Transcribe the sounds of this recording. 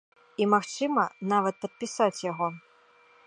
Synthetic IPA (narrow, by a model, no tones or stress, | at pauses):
imaxt͡ʂɨmɐnavɐt̪̚pɐt̪̚pʲisat͡sʲjaɣɔ